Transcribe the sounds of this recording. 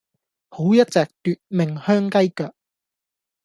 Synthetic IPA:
ho˨˥wjɐ˥t̚t͡sɛː˨k̚t̪yː˧t̚mɪ˨ŋhœː˥ŋkɐ˥jkœː˨˩k̚

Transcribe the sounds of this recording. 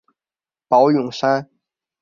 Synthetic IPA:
pɑ˧˥ʊjʊ˨˩ŋʂa˥n

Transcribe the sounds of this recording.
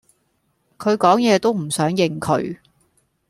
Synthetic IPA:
kʰɵ˨˧ɥkɔː˨˥ŋjɛː˨˧t̪o˥wm̩˨˩sœː˨˥ŋjɪ˨˩ŋkʰɵ̰˨˥ɥ

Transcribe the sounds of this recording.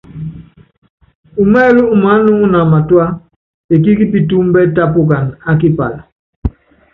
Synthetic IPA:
u˨mɛ˦lu˦u˨ma˨˦nu˦ŋ˦na˨ma˨twa˦ | e˨ki˦ki˦pi˨tu˦m˦bɛ˦ta˦pu˦ka˨na˦k̬i˦pa̰˨la˨

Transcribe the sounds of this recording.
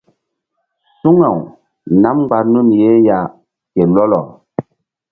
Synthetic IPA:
su˦ŋa˨w | na˦m˦ɡ͡ba˨ɾnu˦˨nje˦ja˨ | ke˨lɔ˦lɔ̰˨

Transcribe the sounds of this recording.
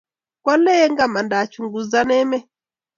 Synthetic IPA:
kwa˦lɛ˦ɛ˦ŋɡa˦˨ma˨nda˨t͡ʃu˨ŋɡu˨za˦nɛ˦mɛ˦

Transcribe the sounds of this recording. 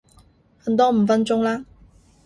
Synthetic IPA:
xə˨˩nt̪wɔ˥m̩˨˩fə˥nʈ͡ʂʊ˥ŋla˧

